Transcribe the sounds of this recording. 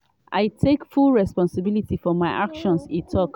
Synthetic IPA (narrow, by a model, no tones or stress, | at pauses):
ʔa̰ɪtʰekfulɹɛspɔ̃nsɪbilitifɔmaɪʔakʃɔ̃nsitʰɔk